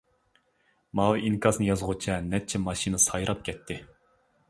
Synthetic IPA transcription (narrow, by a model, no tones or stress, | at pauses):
mɑlɨinkʰɑsnɨjɑzʁut͡ʃʰɛnɛt͡ʃʰːɛmɑʃinɨsɑjɾɑp̚kʲʰɛt̪ʰːɪ